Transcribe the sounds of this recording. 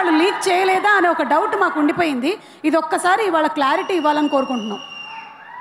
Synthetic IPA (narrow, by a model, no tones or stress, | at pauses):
aːɭːuliːk̚t͡ʃɛːjɐlɛːd̪aːɐneːɔkɐɖɐwʈmaːkuɳɖipoːjind̪i | id̪ɔkːɐsaːɾiːʋaːɭːɐklaːɾiʈiːiʋːaːlɐniko̞ːɾukuɳʈunɐ